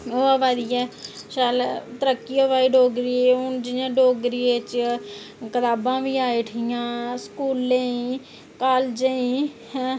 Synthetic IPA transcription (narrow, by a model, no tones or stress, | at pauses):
oːəʋaːd̪iːɛː | ʃalt̪əɾəkːiəʋaːiːɖoːɡɾieːʊnd͡ʒɪjãːɖoːɡɾiːeːt͡ʃ | kət̪aːbãːʋiːaːiːʈʰijãːskuːlːeĩ | kaːld͡ʒeĩː